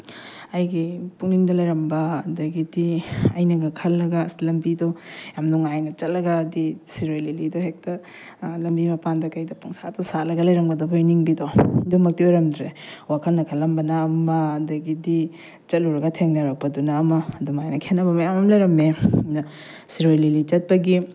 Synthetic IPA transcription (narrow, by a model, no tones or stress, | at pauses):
ɐjɡipuŋniŋdɐlɐjɾɐmbɐːdɐɡidiɐjnɐɡɐkʰɐlːɐɡɐslɐmbidojamnuŋajnɐt͡ʃɐtlɐɡɐːdisiɾojlilidoɦek̚tɐ | lɐmbimɐpandɐkɐjdɐpɐŋsatɐsalɐɡɐlɐjɾɐŋbɐdobojniŋbidodumɐk̚tiojɾɐmdɾewakʰɐlnɐkʰɐlːɐmbɐnɐːmɐɐdɐɡidi | t͡ʃɐt̚luɾɐɡɐtʰeŋnɐɾɐk̚pɐdunamɐːdumajnɐkʰenɐbɐmɐjamɐmlɐjɾɐmenɐ | siɾojlilit͡ʃɐt̚pɐɡi